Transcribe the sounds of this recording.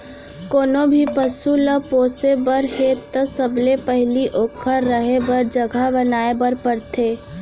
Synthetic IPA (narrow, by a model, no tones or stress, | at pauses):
koːnobʱipəsuləpoːsebəɾɦeːt̪əsəblepəɦliʔoːkʰəɾːəɦebəɾd͡ʒəɡʱabənaːebəɾpəɾt̪ʰeː